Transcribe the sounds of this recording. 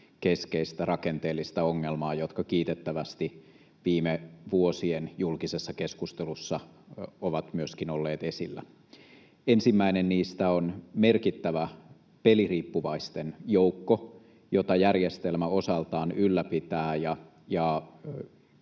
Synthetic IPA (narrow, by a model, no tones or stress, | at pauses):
ke̞skeist̪ærɑkent̪eːlːist̪æoŋːelmɑːjo̞t̪kɑkiːt̪et̪ːæʋæst̪i | ʋiːmeʋuosienjulkisesːɑkeskust̪elusːɑoʋɑt̪myøskinolːeːt̪e̞silːæ̰ | ensimːæinenniːst̪æonme̞rkit̪ːæʋæ | pe̞liriːpːuʋɑist̪enjoukːo | jot̪ɑjærjest̪elmæo̞sɑlt̪ɑːnylːæpit̪æːjɑ | jɑ